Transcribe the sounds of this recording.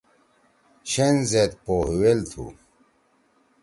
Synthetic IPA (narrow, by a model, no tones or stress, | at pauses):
ɕenzet̪̚pohuwelt̪ʰṵ